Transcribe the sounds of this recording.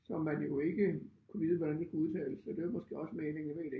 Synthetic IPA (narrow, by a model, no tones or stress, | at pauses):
sɒ̽mːænjo̝e̝ɡ̥əkʰuʋiːð̞̩ˠʋɒd̥ænd̥esɡ̥uuðˠt͡sʰɛ̰ːɪləsːɒd̥e̝æmɒ̽sɡ̥e̝̰ːɒ̽səmeːne̝ŋemḛːde